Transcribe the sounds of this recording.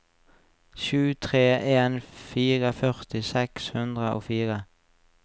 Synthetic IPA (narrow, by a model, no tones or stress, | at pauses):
ʃʉːt̪ʰʁeːʔeːnfiːʁəfœʁt̪ɪsɛkshʉnd̪ʁəʔo̰ːfiːʁə